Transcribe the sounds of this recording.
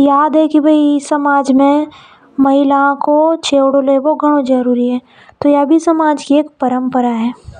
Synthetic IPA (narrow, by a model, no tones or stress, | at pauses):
jaːd̪ɦɛkibʱɐisɐmaːd͡ʒmẽ | mɐɦɪlãkot͡ʃʰeːwɽoleʋoɡʱɐɽ̃õd͡ʒɐɾuːɾiɦɛː | t̪ojaːbʱisɐmaːd͡ʒkieːkpɐɾə̃mpəɾaɦɛː